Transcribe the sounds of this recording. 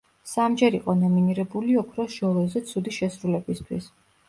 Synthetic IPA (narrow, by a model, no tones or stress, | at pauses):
samd͡ʒɛɾiqʼɔnɔminiɾɛbuliɔkʰɾɔsʒ̥ɔlˠɛzɛt̪sʰud̪iʃɛsɾulɛbist̪ʰwḭs